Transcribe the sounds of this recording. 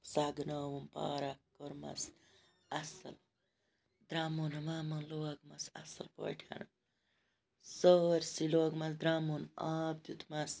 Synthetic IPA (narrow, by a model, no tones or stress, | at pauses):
saːɡnaːwumpa̰ːɾɐkoɾmɐ̰s | ɐsɐ̰l | d̪ɾaːmonɐmaːmɐnloɐɡmɐsɐ̰sɐlpo̰ʈʰɐ̰nu | soɾsiloːɡmɐsd̪ɾaːmunaːb̚t̪ut̪ʰmɐs